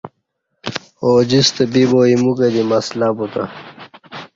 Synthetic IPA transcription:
oːd͡ʑist̪ebiboimuked̪imaslabut̪a̰

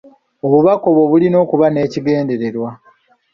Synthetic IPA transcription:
oβuβako̞βwoβulino̞ːkuβane̞ːciɡe̞ːnde̞ɾe̞ɾwa

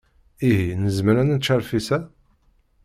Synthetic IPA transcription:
iɦinəzməɾænənt͡ʃːaɾfisæ

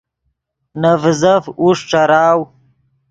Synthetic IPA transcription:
nɐvzɐfuʂʈ͡ʂaɾaːw

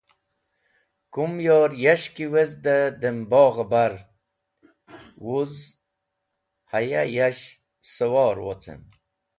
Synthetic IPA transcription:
kumjoːɾjaɕkiwezd̪əd̪əmboːɣəbaɾ | wuz | haja̰jaɕ | səwɔːɾwo̰t͡sʰə̰m

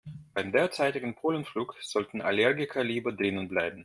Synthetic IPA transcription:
b̥aɪmdeːɐt͡saɪtɪɡn̩pʰoːlənfluːkz̥ɔltn̩ʔa̰lɛɐɡɪkʰɐliːbɐdʁɪnənblaɪbm̩

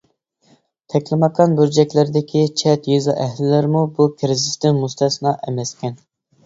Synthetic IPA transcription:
t̪ʰɛkʲlɪmɑqʰɑnbyɾd͡ʒɛkʲlɪɾd̪ɪkʲʰit͡ʃʰɛt̪jizɑ̰ʔɛɦlɪlɪɾmubukʲʰɾɪzɪst̪ɪnmust̪ʰɛsnɑʔɛmɛskʲɛn

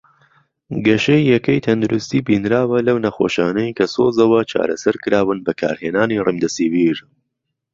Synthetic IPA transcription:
ɡɐʃejːɐkɐjt̪ʰɐnd̪uɾust̪iːbiːnɾaːwɐlɐwnɐxo̰ːʃaːnɐjkʰɐsoːzɐwɐt͡ʃʰa̰ːɾɐ̰sɐɾkɨɾaːwɨnbɐkʰa̰ːɾheːnaːnirimd̪ɐsiviːɾ

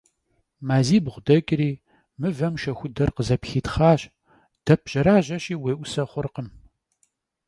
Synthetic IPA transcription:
maːziːbʁʷʊdɐkʲʼɾiː | mɨvɐmʃɐxʷʊdɐrqəzɐpxiːtχaːɕ | d̥ɐp̚ʰʒ̥ɐɾaːʑɐɕiːweːʔʷʊsɐχʷʊrqəm

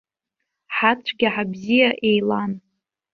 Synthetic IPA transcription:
ħat͡ʃʷʰʼɡʲiħabzijaʔejlan

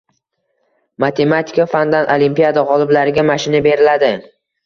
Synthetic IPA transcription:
mat̪ʰe̞mat̪ʰɪ̥kafand̪anʔolimpijad̪aʁɒlˠɪblaɾɪɡʲamaʃɪnabe̞ɾɪlad̪ɪ

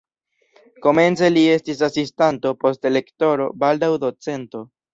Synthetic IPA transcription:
ko̞me̞nt͡se̞lie̞stis̬asistanto̞po̞stele̞kto̞ɾo̞baldawdo̞t͡se̞nto̞

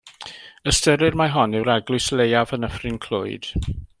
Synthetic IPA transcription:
əstəɾɪrmaɦɔnɪwɾaɡlˠʊɨslejavənəfrɪnkʰl̥ʊ̰ɨd̥

